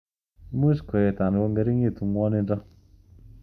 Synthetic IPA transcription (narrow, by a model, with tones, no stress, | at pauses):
mu˦skɔ˨jɛ˨ta˨n˨wɔ˦ŋɡɛ˨ɾi˦ŋe˦˨tu˨ŋwɔ˦nɪ˦ndɔ˦